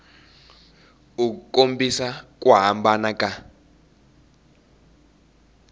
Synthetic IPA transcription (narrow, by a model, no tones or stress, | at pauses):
uk̬ukombisak̬ʼwaɦambanak̬ʼa